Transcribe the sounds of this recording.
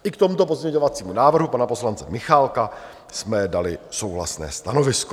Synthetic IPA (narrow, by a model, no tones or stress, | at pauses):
ʔɪkt̪o̞mut̪o̞p̬o̞zmɲɛɲo̞vat͡siːmunaːvr̩ɦupanapo̞slant͡sɛmɪxalka | smɛdalɪso̞wɦla̰snɛ̰ːst̪ano̞vɪsko